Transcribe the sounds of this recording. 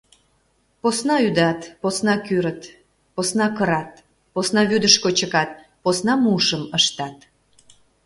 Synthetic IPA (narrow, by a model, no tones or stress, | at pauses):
posnɑyd̪ɑt̪posnɑkyɾət̪ | posnɑkəɾɑt̪̚ | posnɑβyd̪əʃkot͡ɕəkɑt̪̚ | posnɑmuʃəməʃt̪ɑt̪